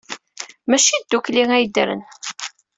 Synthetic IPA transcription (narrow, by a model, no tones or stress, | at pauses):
mæʃid̪ːukliŋæjd̪ɾə̰n